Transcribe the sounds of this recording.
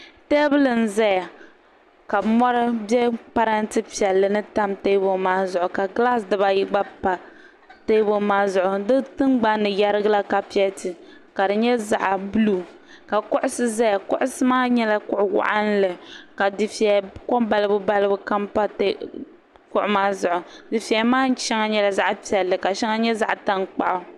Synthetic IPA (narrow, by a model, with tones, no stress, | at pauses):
teː˦bɨ˦lɨ˨n̩˨za˦ja˨ | ka˨mɔ˦ɾɨ˦bɛ˦pa˦ɾa˦ntɨ˦pi˨ɛ˨lːɨ˨nɨ˦ta˦mte˦bo˨maː˦zʊ˨ʔʊ˨ka˨ɡla˦sdɨ˨ba˦ji˦ɡ͡ba˦pa˨ | te˦bo˦maː˦zʊ˨ʔʊ˨dɨ˦tɨ˦nɡ͡ba˦nːɨ˨ja˦ɾɨ˦ɡa˦la˦ka˨pi˦ɛ˦tɨ˨ | ka˨dɨ˨ɲɛ˦za̰˨ʔa˨bu˦lu˦˨ | ka˨kʊ˦ʔʊ˦sɨ˦za˦ja˨kʊ̰˦ʔʊ˦sɨ˦maː˦ɲɛ˦la˦kʊ˦ʔʊ˦wa̰˨ʔa˦n˦lɨ˨ka˨dɪ˨fi˨ɛ˨kɔ˦ba˦lɨ˦bʊ˦ba˦lɨ˦bʊ˦ka˦mpa˦t | kʊ̰˦ʔʊ˦maː˦zʊ˨ʔʊ˨di˨fi˨ɛ˨˦maː˦n˦t͡ʃɛ˦ŋa˦ɲɛ˦la˨za˦ʔpi˨ɛ˨lːɨ˨ka˨ʃɛ˦ŋa˦ɲɛ˦za̰˦ʔta˦nk͡pa̰˨ʔʊ˨